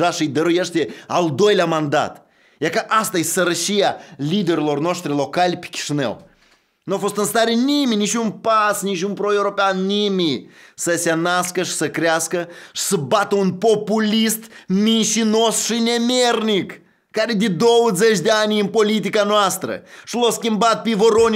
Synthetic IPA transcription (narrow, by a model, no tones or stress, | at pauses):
aʃiɨjd̪əɾujeʃt̪eald̪o̞jleamand̪a̰t̪ | jakaʔast̪ajsəɾəʃijalid̪eɾʲilo̞rnoʃt̪ɾilo̞kalʲpe̥kʲi̥ʃinḛw | nuafo̞st̪ɨnst̪aɾniminit͡ʃʲunpasnit͡ʃʲunpɾoewɾo̞peanːimisəsʲanaskəʃi̥səkɾeaskəʃi̥səbat̪əunpopulʲist̪minʃinosʃinʲemʲernʲikː | aɾed̪id̪owzet͡ʃd̪eanʲɨnpolit̪̬ikanwast̪ɾə̰ʃilˠoskʲimbat̪̚pʲivoɾonʲ